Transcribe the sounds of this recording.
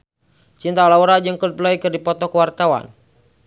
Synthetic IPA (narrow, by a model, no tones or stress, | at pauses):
t͡ʃint̪alauɾad͡ʒɨŋkəlpəlaikɨrdipɔt̪ɔkəwart̪awa̰n